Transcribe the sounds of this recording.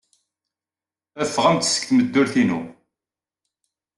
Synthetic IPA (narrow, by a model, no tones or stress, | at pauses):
æfːəʁæmt̪sə̥kθməd̪ːʊɾθinu